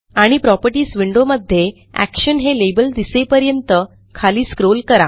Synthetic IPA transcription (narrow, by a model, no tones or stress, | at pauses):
aɽ̃ipɾɔpəɾʈiːsʋiɳɖoməd̪ʱːje | æ̰kɕənɦelebəld̪isepəɾjənt̪ə | kʰaliːskɾolkəɾa